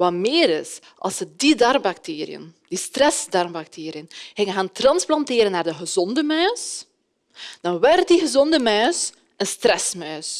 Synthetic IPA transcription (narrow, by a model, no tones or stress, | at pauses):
ʋɑmɪːɾɪs | ʔɑ̰lˠsədidɑrmbak̚teːɾijə̰ndistrɛsdɑrmbak̚tʰeːɾijənɣɪŋənɣaːntrɑnsplɑnteːɾənːaːrdəɣəzɔndəmœɥs | d̥ɑnʋɛrt̚diɣəzɔndəmœːs | ənstrɛsmœːs